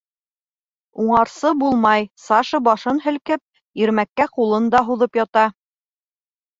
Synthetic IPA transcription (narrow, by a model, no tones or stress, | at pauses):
uɴɑɾsɤbulˠmɑjsɑʃɤbɑʃɤnɦɘ̆lkɘp̚ | iɾmækːæqulˠɤnd̪ɑɦuðɤpjɑt̪ɑ